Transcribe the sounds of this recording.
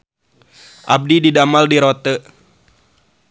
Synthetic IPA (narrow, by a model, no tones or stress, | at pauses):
ʔa̰b̚dididamaldiɾɔt̪ə